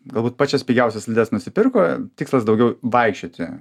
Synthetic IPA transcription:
ɡɐlˠbuːt̪̚pɑːt͡ʃʲɛsʲpʲiːɡʲɛʊsʲɛsʲlʲɪd̪ʲɛsnʊsʲɪpʲɪrkoːt̪ʲɪːkslˠɐsd̪ɐʊɡʲɛʊʋɐɪkʃʲt͡ʃʲoːt̪ʲɪ

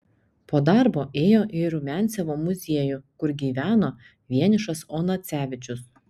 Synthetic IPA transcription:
poːd̪ɑˑɾboːʔeːjoːʔɪɾʊmʲænʲt̪sʲɛʋoːmʊzʲiɛjʊkʊɾɡʲiːʋʲæːnoː | ʋʲiɛnʲɪʃɐsoːnɐt̪sʲæːʋʲɪt͡ʃʲʊs

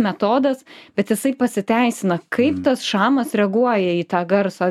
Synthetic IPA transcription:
mʲɛt̪oːd̪ɐsbʲɛt̪jɪsɐɪpɐsʲɪt̪ʲæɪsʲɪnɐkʰɐɪpt̪ɐsʃɑːmɐsɾʲɛɡuɔjɛiːt̪ɑːɡɐɾsɐ

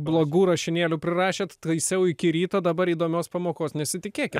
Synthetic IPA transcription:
blˠoːɡuːɾɐʃʲɪnʲeːlʲuːpʲɾʲɪrɑːʃʲeːt̪t̪ɐɪsʲɛʊɪkʲɪɾʲiːt̪oːd̪ɐbɐɾiːd̪oːmʲoːspɐmoːkoːsnʲɛsʲɪt̪ʲɪkʲeːkʲɪt̪

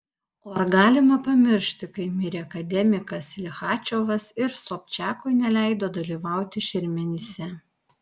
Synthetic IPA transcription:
oːɐɾɡɑːlʲɪmɐpɐmʲɪɾʲʃʲt̪ʲɪkɐɪmʲɪɾʲeːɐkɐd̪ʲɛmʲɪkɐslʲɪxɑːt͡ʃʲoːʋɐsɪɾsoːpʲt͡ʃʲæːkʊɪnʲɛlʲæˑɪd̪oːd̪ɐlʲiːʋɑˑʊt̪ʲɪʃʲɪɾʲmʲɛnʲɪsʲɛ

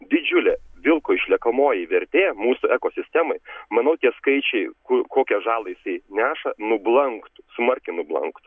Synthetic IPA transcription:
d̪ʲɪd͡ʒʲʊlʲeʋʲɪlˠkoːɪʃʲlʲiɛkɐmoːjɪʋʲɛɾʲt̪ʲeːmuːsʊɛkoːsʲɪsʲt̪ʲɛmɐɪmɐnɐʊt̪ʲiɛskɐɪt͡ʃʲɛɪkʊkoːkʲɛʒɑːlˠɐjɪsɐɪnʲæːʃɐnʊblˠɐŋkt̪smɐɾʲkʲɪnʊblˠɐ̰ŋkt̪

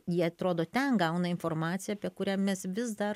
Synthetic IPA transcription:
jiɛɐt̪ɾoːd̪oːt̪ʲɛnɡɐʊnɐɪnfoːrɾmɑːt̪t͡ssʲɪjɛːpʲiɛkʊɾʲæːmʲɛsʋʲɪzd̪ɐr

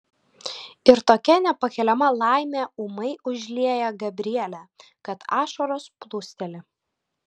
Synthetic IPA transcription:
ɪɾt̪oːkʲɛnʲɛpɐkʲɛlʲɛmɐlˠɑˑɪmʲeːʊmɐɪʔʊʒʲlʲiɛjɛɡɐbʲɾʲɪɛlʲɛ | kɐt̪ɑːʃoɾoːsplˠʊsʲt̪ʲɛlʲɪ

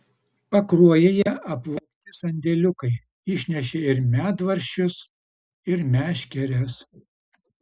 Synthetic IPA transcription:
pɐkɾuɔjɛjɛʔɐpʋɐkʲt̪ʲɪsɐnʲd̪ʲɛlʲʊkɐɪ | ɪʃʲnʲɛʃʲɛɪɾmʲæːt̪ʋɐɾʲʃʲʊs | ɪɾmʲæːʃʲkʲɛɾʲɛs

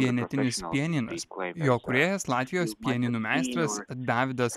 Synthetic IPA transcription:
iɛnʲɛt̪ʲɪnʲɪspʲiɛnʲɪnɐ̰sjoːkʊɾʲeːjɛslˠɑːt̪ʲʋʲɪjoːspʲiɛnʲɪnuːmʲæɪst̪ɾɐsd̪ɑːʋʲɪd̪ɐs

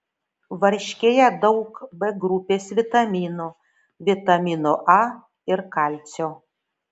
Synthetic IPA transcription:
ʋɐɾʲʃʲkʲeːjɛd̪ɒʊkbɛɡɾʊpʲeːsʋʲɪt̪ɐmʲiːnuː | ʋʲɪt̪ɐmʲiːnoʔɐ | ɪɾkɑlʲt̪sʲoː

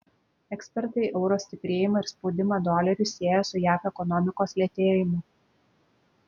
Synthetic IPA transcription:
ɛksʲpʲɛɾt̪ɐɪʔɛʊɾoːsʲt̪ʲɪpʲɾʲeːjɪmɐɪɾspoʊd̪ʲɪmɐd̪ɔlʲɛɾʲʊsʲiɛjɛsʊjæːfɛkɔnɔmʲɪkoːslʲiɛt̪ʲeːjɪmʲʊ

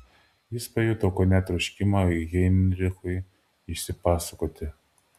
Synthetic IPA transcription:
jɪspɐjuːt̪okɔnʲɛt̪ɾʊʃʲkʲɪmaɡʲɛnʲɾʲɪxʊɪ | ɪʃʲsʲɪpɑːsɐkoːt̪ʲɪ

